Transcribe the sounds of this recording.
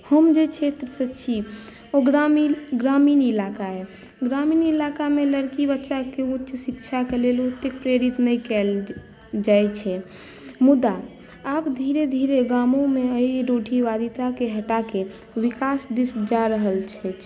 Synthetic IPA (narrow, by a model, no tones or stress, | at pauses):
həmd͡ʒet͡ʃʰet̪ɾəsət͡ʃʰi | oɡɾamiɡɾaminilakaɦɛ | ɡɾaminilakameləɾkibətːʃakeutːt͡ʃsik̚t͡ʃʰakelelut̪ːek̚pɾeɾit̪nəjkɛl | d͡ʒajt͡ʃʰɛ | mud̪aː | pd̪ʱiɾed̪ʱiɾeɡamõmeəiɾoʈʰiʋad̪it̪akeɦəʈake | ʋikasd̪isd͡ʒaɾəɦəlt͡ʃʰɛt͡ʃ